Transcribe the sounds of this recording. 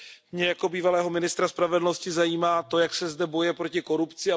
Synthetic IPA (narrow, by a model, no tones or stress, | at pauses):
mɲɛjako̞biːvalɛːɦo̞mɪnɪst̪ɾaspɾavɛdl̩no̞scɪzajiːmaːt̪o̞jaksɛzdɛbo̞jɛpɾo̞cɪko̞ɾupt͡sɪa